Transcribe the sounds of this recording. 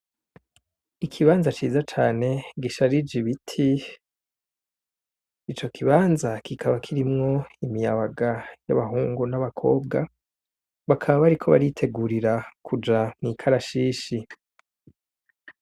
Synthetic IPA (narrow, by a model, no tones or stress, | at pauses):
ikʰiβaːnzat͡ʃiːzat͡ʃaːne̞ɡiʃaɾid͡ʒiβitʰi | t͡ʃo̞kʰiβaːnzakikʰaβakʰiɾimŋo̞imijaβaɡaja̰βaɦuːŋɡunaβakʰo̞̰ːb̚ɡa | βakʰaβaβaɾikʰo̞βa̰ɾitʰe̞ɡuɾiɾakʰud͡ʒamŋiːkʰaɾaʃiːʃi